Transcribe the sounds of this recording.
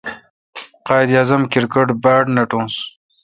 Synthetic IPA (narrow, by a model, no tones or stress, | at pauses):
qɑːjd̪jaːzɐmkiɾkɐʈbaːɖnɐʈõːns